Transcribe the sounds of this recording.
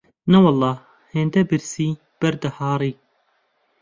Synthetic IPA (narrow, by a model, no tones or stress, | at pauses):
nɐwɑlˠˤːɑː | heːnd̪ɐbɨɾsiː | b̥ɐɾd̪ɐhɑːɾˤiː